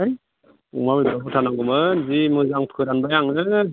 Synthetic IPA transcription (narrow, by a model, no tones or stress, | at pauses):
ṵmamidɔɾabutʰanaŋɡɯmɯzimɯzaŋpʰɯjɾanbajaŋɯ